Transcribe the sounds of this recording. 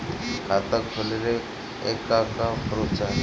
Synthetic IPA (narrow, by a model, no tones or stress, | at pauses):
kʰat̪akʰːoleɾe | ekːakapʰɔɾot͡ʃa